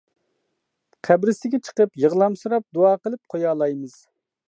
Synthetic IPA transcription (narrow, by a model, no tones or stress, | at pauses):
qʰæbɾɪsɪɡʲɛt͡ʃʰə̥qəpjəʁlˠɑmsuɾɑp̚d̪oɑːqəlˠɨp̚qʰojɑːlˠɑjmɨz̥